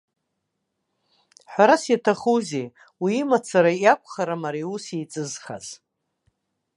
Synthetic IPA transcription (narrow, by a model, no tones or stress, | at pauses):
ħʷᶣaɾasjatʰaχuze | wiːmat͡sʰaɾajakʷʰʼχaɾamaɾiusejt͡sʼɨzχa̰z